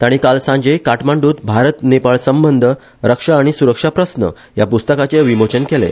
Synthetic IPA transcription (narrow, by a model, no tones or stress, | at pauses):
t̪aɽ̃ikalsãɲd͡ʑəjkaʈmaɳɖuːt̪bʱaɾət̪nepaɭsəmbənd̪ʱə | ɾəkʂaːɽ̃isuɾəkʂapɾəsnə̰ | japust̪əkat͡seʋimot͡ɕənkelḛ